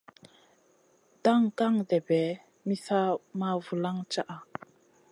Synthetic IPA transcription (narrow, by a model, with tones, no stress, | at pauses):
da˦˨ŋka˦˨ŋdɛ˨bɛ˨˦ | mi˦sa˦ma˦vu˨la˦ŋt͡ʃa˦ʔa˨